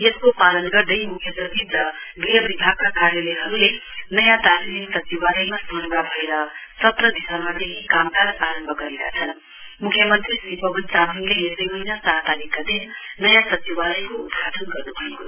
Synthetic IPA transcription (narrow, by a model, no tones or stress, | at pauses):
jeskopalʌnɡʌrd̪ʌjmukʰjʌprʌt̪ʰib̪rʌɡrijʌbibʱaɡ̚kakarjʌlʌjɦʌɾulenʌjãt̪aliniksʌt͡siwalʌjmasʌnbabʱʌeɾʌtʌt̪rʌd̪isʌmat̪eɦikamkaɾaɾʌmbʱʌɡʌɾeka̰t͡sʰʌn | mukʰjʌmʌnt̪risipʌbʌnt͡saminlejesʌjmʌinasaɦt̪alikːad̪innʌjãsʌt͡siwalʌjkoːd̪̚ɡʱat̪ʰʌnɡʌrnubʱʌko